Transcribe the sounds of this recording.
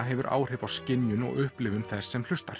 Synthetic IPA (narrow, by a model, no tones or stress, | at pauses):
ɦɛvʏɾʔa̰ːwr̥ɪvawscɪnjʏnɔ̰ɣʏhplɪːvʏnθɛsːɛml̥ʏst̪aɾ̥